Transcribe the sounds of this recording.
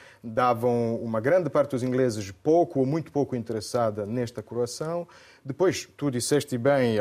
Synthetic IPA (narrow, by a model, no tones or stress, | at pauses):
d̪avɐ̃w̃umɐɡɾɐ̃nd̪ɨpaɾt̪ɨd̪uzĩŋɡlezɨʃpowkuomũj̃t̪u̥powkuĩnt̪ɨɾɨsaðɐnɛʃt̪ɐkuɾɐsɐ̃w̃ | d̪ɨpojʃt̪ud̪isɛʃt̪ɨbẽj̃